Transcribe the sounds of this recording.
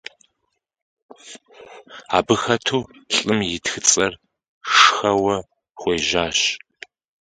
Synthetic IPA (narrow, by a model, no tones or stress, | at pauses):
a̰ːbɨxɐtʰuːɬʼɨmjɪtxɨt͡sʼɐr | ʂxɐwɐ | χʷeːʒaːɕ